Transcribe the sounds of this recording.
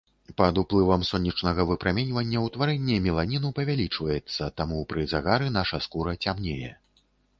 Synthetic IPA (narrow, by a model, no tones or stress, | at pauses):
pɐd̪uplˠɨvɐmsɔnʲːɐt͡ʂnɐɣɐvɨpɾamʲɛnʲvɐnʲːɐwt̪vaɾɛnʲːɛmʲilˠanʲinupɐvʲalʲit͡ʂvɐjɛt̪sːɐt̪amupɾɨzaɣaɾɨnaʂɐskuɾɐt͡sʲamnʲejɛ̰